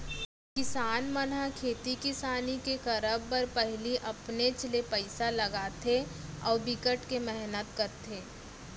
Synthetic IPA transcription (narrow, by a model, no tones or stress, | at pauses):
kɪsaːnmənakʰeːt̪ikɪsaːnikekɐɾəbːəɾpɛɦliʔɐpnet͡ʃlepəɪsalɐɡaːt̪ʰeɔːɾbɪkəʈkemɛɦnət̪kɐɾt̪ʰeː